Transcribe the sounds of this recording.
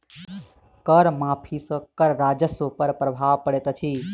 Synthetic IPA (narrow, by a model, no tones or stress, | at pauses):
kəɾmaːpʰisə̃kəɾɾad͡ʒəsopəɾpɾəbʱaʋpəɽet̪t͡ʃʰi